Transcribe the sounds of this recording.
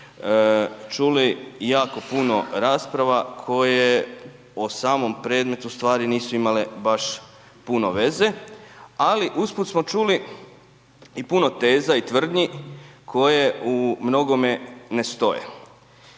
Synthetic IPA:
t͡ʃulijaːko̞puno̞ɾaːspɾaʋakʰo̞je | osaːmo̞mpɾed̪me̞t̪ust̪ʋaːɾiniːsuimalebaʃ | puno̞ʋe̞ze̞ | aliʔusput̪smo̞t͡ʃuli | ipuno̞t̪e̞ːzait̪ʋr̩d̪ɲikʰo̞je̞umno̞ɡo̞menest̪o̞jḛ

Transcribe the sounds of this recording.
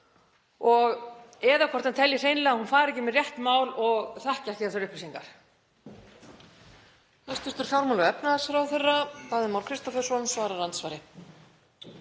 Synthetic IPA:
ɔɣɛːðakʰɔrt̪ant̪ʰɛljɪr̥eːjnlɛɣahunfaːɾɛcɪmɛðrjɛht̪maːwlɔɣθahcaθiaθvɛɾʏhpɾisiŋkaɾ̥ | θɛst̪ʏst̪ʏɾ̥fjawɾmawlʏɛpnaasfɾawθɪrːaθaːðɪmaːwlkʰɾɪst̪ɔfɛðɾ̥sɔnsvaːɾaɾant̪svaːjɾɪ

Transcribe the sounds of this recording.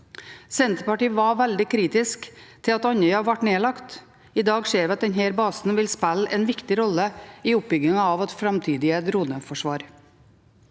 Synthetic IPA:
sɛnt̪ɾpɑʈiːʋɑʋæld̪ɪkʰɾiːt̪ɪskt̪ʰɪlɑt̪ɑɲəʏɑʋæʈneːlɑkt̪ | ɪd̪ɑːɡʂeːɾʋɛɑt̪̚d̪ɛɲɦhæːɾbɑːsn̩ʋɪlspælɛːnʋɪkt̪ɪɾɔlːəiːʊp̚bʏɡɪŋɑɑʋɑt̪fɾɑmt̪ʰiːd̪ɪəd̪ɾuːd̪əfɔʂʋɑːɾ

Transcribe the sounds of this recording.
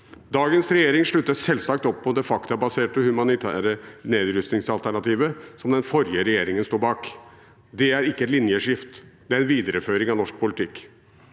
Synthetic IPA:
d̪ɑːɡənsɾɛjeːɾɪŋʂɭʉt̪ːəsɛlsɑkt̪ɔpʰːɔd̪ɛfɑkt̪əæbɑseːʈəhʉmɑnɪt̪ʰæ̰ːɾəneːd̪ɾʏst̪nɪŋsɑlt̪ʰæɳɑt̪ʰiːʋəsɔmd̪ɛnfɔɾjəɾɛjeːɾɪŋənst̪uːbɑːk | d̪ɛæɾɪkːəɛt̪lɪnjəʂɪft̪d̪̥ɛæɾɛnʋiːd̪əɾəføːɾɪŋɑʋnɔʂk̚pʊlɪt̪ʰɪkː

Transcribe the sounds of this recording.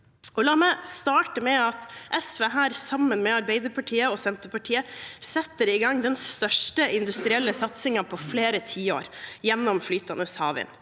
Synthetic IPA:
ɔlɑːmɛst̪ɑːʈəmɛɑt̪ʔɛsʋeːɦæːɾsɑmːənmɛɑɾbɛɪd̪əɾpʰɑʈʰiːəɔsɛnt̪əpɑʈʰiːəsɛt̪ːəɾɪɡɑŋd̪ɛnst̪œʂʈəɪnd̪ʉst̪ɾɪɛlːəsɑt̪sɪŋɑpʰɔfleːɾət̪ʰiːo̰ːɾjɛnːɔmflyːt̪ɑnəshɑ̰ːʋɪ̰n

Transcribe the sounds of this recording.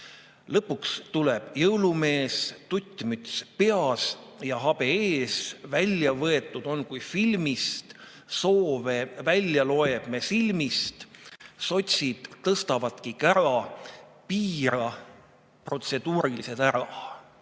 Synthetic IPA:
lɤpːukst̪ule̞b̥jɤwlume̞ːst̪ut̪ʲːˑmyt̪ʲspe̞ɑsjɑɦɑb̥e̞eːsvælʲjɑvɤe̞t̪ːˑud̪̥o̞nkujfilmist̪ | so̞ːve̞vælʲjɑlo̞e̞b̥me̞silmist̪so̞t̪ʲsʲid̪̥t̪ːɤst̪ɑvɑt̪kikæɾɑpiːɾɑ | pro̞t̪se̞d̪̥uːɾilise̞d̪æɾɑ

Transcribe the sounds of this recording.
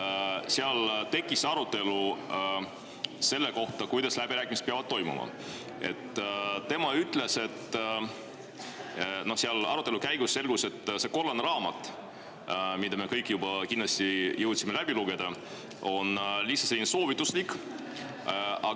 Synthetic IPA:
seɑlt̪e̞kːˑisɑɾut̪ːˑe̞lu | se̞lːe̞ko̞ht̪ɑkujd̪ɑslæbiɾæːkːˑimse̥t̪peɑvɑd̪̚t̪ːo̞jmṵmɑ̰ | e̞̰t̪ːt̪e̞mɑyt̪ːˑle̞se̞t̪ː | no̞hseɑlɑ̰ɾut̪ːˑelukæjɡ̥usse̞lɡ̥use̞t̪ːse̞ko̞lːɑnɾɑːmɑt̪ːˑ | mid̪ɑme̞kɤjkːˑjubɑkinlɑsʲt̪ijɤwt̪simelæb̥iluɡe̞d̪̥ɑ | o̞nlihsːɑ̥selːineso̞ːvit̪ːˑuslikːˑ | ɑ

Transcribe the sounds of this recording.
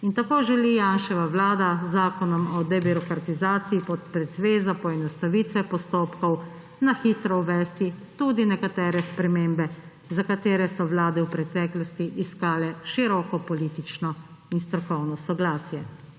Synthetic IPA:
int̪akoːʒɛlijanʃɛʋaʋlaːd̪azaːkɔnɔmɔd̪ɛbiɾɔkɾat̪izaːt̪siipɔt̪̚pɾɛd̪ʋeːzapɔɛnɔst̪aʋit̪ʋɛpɔst̪oːpkɔw | naxit̪ɾɔwʋɛːst̪it̪uːd̪inɛkat̪ɛːɾɛspɾɛmeːmbɛ | zakat̪eːɾɛsɔʋlaːd̪ɛwpɾɛt̪ɛːklɔst̪iʔiskaːlɛʃiɾɔkɔpɔliːt̪it͡ʃnɔinst̪ɾɔkɔwnɔsɔɡlaːsjɛ

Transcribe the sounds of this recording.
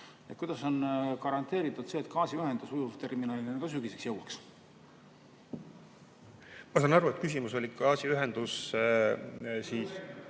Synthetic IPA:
et̪kujd̪ɑso̞nkɑɾɑnt̪ːˑe̞ːɾit̪ːˑud̪̥seːt̪kʰɑːsiyɦe̞nd̪̥usujuvt̪e̞rminɑːlineneɡ̥ɑs̬yɡise̞ksjɤwɑks | mɑsɑːnɑɾuet̪̚kysʲimuso̞lʲikɑːsiyɦend̪̥us | siːs

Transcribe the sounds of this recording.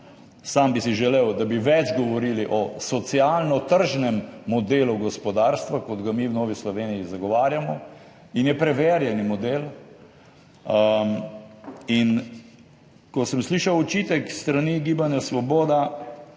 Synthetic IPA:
sambisiʒɛlewd̪abiʋɛd͡ʒɡɔʋɔɾiːliʔɔsɔt̪sialnɔt̪əɾʒnɛmːɔd̪eːluɡɔspɔd̪aːɾst̪ʋakɔd̪ɡamiwnoːʋislɔʋeːnijizaɡɔʋaːɾjamɔ | injɛpɾɛʋeːɾjɛnimɔd̪eːl | in | kɔsəmsliːʃawɔt͡ʃiːt̪ɛkst̪ɾaniɡiːbanjasʋɔboːd̪a

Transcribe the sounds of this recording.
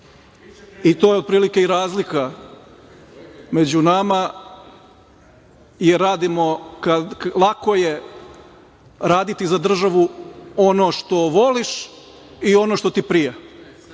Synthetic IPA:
it̪ojeod̪̚pɾiːlikeiɾaːzlika | me̞d͡ʑunama | jeɾaːd̪imo̞kalˠakoje | ɾaːd̪it̪izad̪r̩ʒaʋuo̞no̞ʃt̪o̞ʋoliʃ | io̞no̞ʃt̪o̞t̪ipɾije

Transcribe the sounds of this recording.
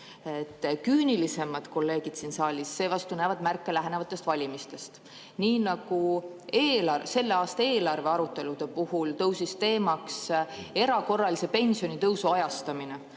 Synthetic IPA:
et̪ːkyːnilise̞mɑd̪̥ko̞lːe̞ːɡid̪̥sinsɑːlʲisːe̞ːvɑst̪unæːvɑd̪mærkːˑe̞læɦenevɑt̪ːˑe̞st̪vɑlʲimist̪e̞st̪ | niːnɑɡ̥ueːlɑrse̞lːe̞ɑːst̪ɑeːlɑrve̞ɑɾut̪ːˑe̞lud̪̥e̞puhult̪ɤwsist̪e̞ːmɑkse̞ɾɑko̞rːɑlise̞pe̞nʲsio̞nit̪ɤwsuɑjɑst̪ɑmine̞

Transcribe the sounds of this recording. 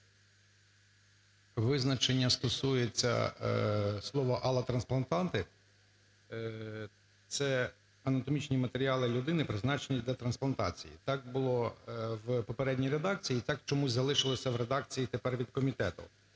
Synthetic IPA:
ʋɪznɐt͡ʃenʲːɐst̪ɔsujet͡sʲːɐ̰ | slˠɔʋɔʔɐlˠɐt̪ɾɐnsplˠɐnt̪ɑnt̪ɪ | t̪sɛ | ɐnɐt̪ɔmʲit͡ʃnʲimɐt̪eɾʲiɑlˠɪlʲʊd̪ɪnɪpɾɪznɑt͡ʃenʲid̪ʲɐt̪ɾɐnsplˠɐnt̪ɑ̰t͡sʲḭjḭt̪ɑk̚bʊlˠɔʋpɔpeɾɛdʲnʲijɾe̞d̪ɑk̚t͡sʲijit̪ɑkt͡ʃɔmuzʲzɐlˠɪʃɪlˠɔsʲɐʋɾed̪ɑk̚t͡sʲijit̪epɛrʋʲid̪kɔmʲit̪ɛt̪ʊ̰

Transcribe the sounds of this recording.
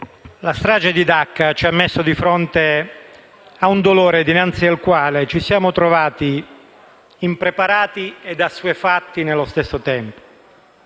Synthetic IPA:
last̪ɾaːd͡ʒed̪id̪akːat͡ʃiamːesːʊd̪ifɾɔnt̪e | aund̪oloːɾed̪inant̪sialkwaːlet͡ʃisjaːmot̪ɾovaːt̪i | impɾepaɾaːt̪ied̪asːuefat̪ːinelːost̪esːot̪ɛmpo̥

